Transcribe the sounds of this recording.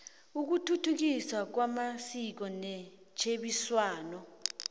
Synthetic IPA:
uk̬utʰutʰuk̬iswak̬wamasik̬ɔnɛ | t͡ʃʰeɓiswaːnɔ

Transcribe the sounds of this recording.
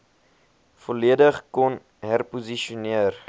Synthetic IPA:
fɔliədəχkɔn | ɦærpuziʃiuniər

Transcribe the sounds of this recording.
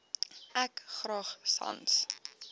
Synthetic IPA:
ʔækχrɑːχsɑ̰ns

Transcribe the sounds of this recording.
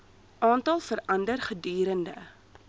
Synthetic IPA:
ʔɑːntɐlˠfəɾɐndərχədyːɾəndə̰

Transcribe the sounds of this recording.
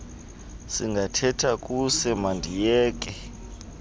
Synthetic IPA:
siŋɡʱatʰɛtʰak̬ʼusɛmandʱijɛːk̬ʼɛ

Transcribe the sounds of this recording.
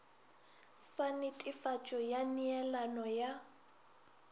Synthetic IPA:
sanɪtʼɪfat͡ʃʼɔjaniɛlanɔja

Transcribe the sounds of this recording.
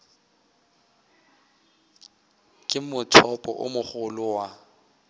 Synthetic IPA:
kʼɪmʊtʰɔpʼɔ̰ʔʊ̰mʊχʊlʊwa

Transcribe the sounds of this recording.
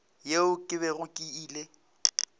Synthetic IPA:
jeʊkʼɪβɛɣʊkʼiiːle

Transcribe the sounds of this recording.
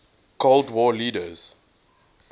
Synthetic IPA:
kʰoldwɔːliːdəz̥

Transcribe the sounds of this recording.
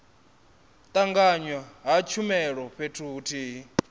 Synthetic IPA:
t̪ʼaŋɡaɲwaɦat͡ʃʰumɛɺɔɸʰetʰuːtʰiːɦi

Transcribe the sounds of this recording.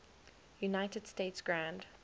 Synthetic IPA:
junaɪtəd̥steɪtsɡ̥ɹãnd

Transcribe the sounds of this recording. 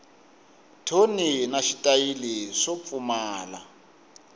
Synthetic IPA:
tʰoninaʃitʼailiʂop̪fumaːla̰

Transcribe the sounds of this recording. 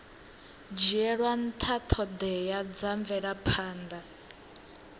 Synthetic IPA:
d͡ʒiɛɺwan̩t̪ʰat̪ʰɔd̪ɛjad͡zaɱvɛɺapʰaːnd̪a

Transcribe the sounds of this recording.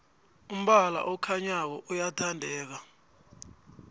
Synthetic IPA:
um̩ɓala̰ʔɔkʰaɲak̬ɔʔujatʰandʱɛːk̬a

